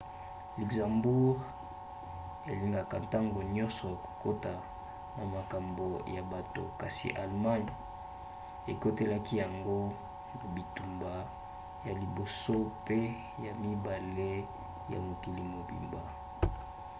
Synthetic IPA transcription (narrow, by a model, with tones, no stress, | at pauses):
li˨kzã˨mbu˦ʁ | ḛ˨li˦ŋɡa˨ka˨nta˦ŋɡo˨ɲɔ˦nsɔ˨ja˨ko̥˨ko˦ta˨ | na˨ma˨ka˨mbo˨ja˨ba˨to̰˨ka˨sḭ˨ʔa˨lma˦n˨ | e˨ko˦te˦la˦ki˦ja˨ŋɡo˦ | a˨bi˨tu˨mba˨ | ja˨li˨bo˨so˦pe˦ | ja˨mi˦ba˨le˦ | ja̰˨mo˨ki˨li˨mo˨bḭ˨mba˨